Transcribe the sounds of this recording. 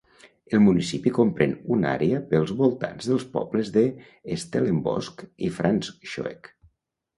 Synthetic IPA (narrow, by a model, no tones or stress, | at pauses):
əlˠmunisipikompɾenuna̰ɾeəpəlˠzβolˠt̪a̰nzðəlˠspɔ̰bləzðəː | st̪eləmbɔ̰skifɾansʃo̰ḛk